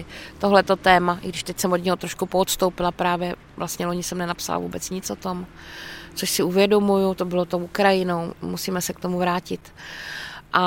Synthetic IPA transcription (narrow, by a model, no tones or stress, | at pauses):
t̪o̞ɦlɛt̪o̞t̪ɛːmaʔɪɡdɪʃt̪ɛcsɛmod̪ɲɛɦot̪ɾoʃkupoːt̪st̪owpɪlapɾaːvjɛ | vlʔastɲɛlo̞ɲɪsɛmnɛnapsa̰la̰vṵːbɛt͡sɲɪt͡sʔot̪o̞m | t͡soʃsɪuvjɛdo̞mujut̪obɪlo̞t̪owʔukɾajɪnowmusiːmɛsɛk̚t̪omuvɾaːcɪt̪ | ʔa